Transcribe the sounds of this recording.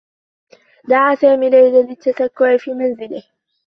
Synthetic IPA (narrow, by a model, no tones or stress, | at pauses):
d̪aʕaːsaːmiːlajlalɪt̪ːasakːʊʕɪfiːmanzɪlɪh